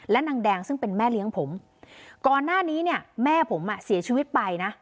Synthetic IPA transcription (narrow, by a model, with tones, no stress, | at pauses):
lɛ˦˥na˧ŋdɛː˧ŋsɯ˥˩ŋpe˧nmɛː˥˩li˦˥əŋpʰo˩˦m | kɔː˨˧nːaː˥˩niː˦˥ni˥˩ɐmɛː˥˩pʰo˩˦mʔa˧˩si˨˩˦ɐt͡ɕʰiː˧wi˦˥t̪̚pa˧jna˦˥